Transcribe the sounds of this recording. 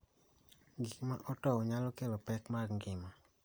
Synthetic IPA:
ɡikmaʔɔtɔɔɲalɔkelɔpɛkmaɾŋɡɪma

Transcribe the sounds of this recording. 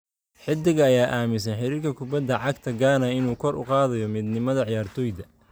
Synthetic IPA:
ħɪd̪ɪɣɐːjaːʔaːmɪs̬ɐnħɪɾiːrkʰɐkʰʊbɐd̪ːɐʕɑɡt̪ʰɐɡaːnɐɪnuːkʰɔɾʔʊ̰qɑːðɐjɔmiːd̪nɪmɐðɐʕɪjaːrt̪ʰɔːjd̪ɐ

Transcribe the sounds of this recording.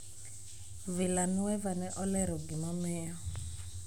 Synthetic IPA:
vilanuwɛvanɛʔɔlɛɾɔɡimɔmɛːɔ

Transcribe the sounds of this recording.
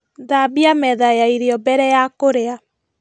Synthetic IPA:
ðabiamɛðajaiɾeɔbɛɾɛjakoɾea

